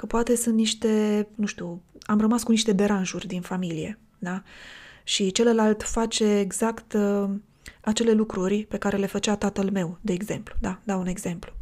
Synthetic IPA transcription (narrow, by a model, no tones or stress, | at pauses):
kəpoat̪e̞sunt̪niʃt̪e̞nũʃt̪uamrəmaskuniʃt̪e̞be̞ɾanʒurʲd̪infamilije̞̰ | d̪a | ʃit͡ʃe̞ləlalt̪fat͡ʃe̞ːɡz̥akt̪ | at͡ʃe̞le̞lukɾurʲpe̞kaɾe̞le̞fət͡ʃat̪at̪əlme̞wd̪e̞ːɡze̞mplu̥d̪ad̪aune̞ɡze̞mplu̥